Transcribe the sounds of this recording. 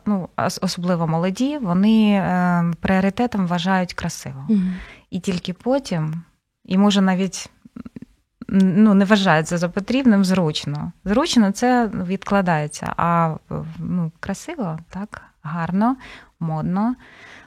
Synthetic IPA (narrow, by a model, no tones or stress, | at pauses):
nuɔ̰ɔsɔblˠɪʋɔmɔlˠɔdʲiʋɔnɪ | pɾɪɔɾɪt̪ɛt̪ɐmʋɐʒɑjʊtʲkɾɐsɪ̰ʋɔitʲilʲkɪpɔtʲim | imɔʒɛnɑʋʲitʲ | nunɛʋɐʒɑjʊtʲsɐzɐpɔt̪ɾʲibnɪmzɾut͡ʃnɔzɾut͡ʃnɔt̪sɛʋʲid̪klˠɐd̪ɑjet͡sʲːɐ̰ʔɐ | nukɾɐsɪʋɔt̪ɑk | ɦɑrnɔmɔd̪̚nɔ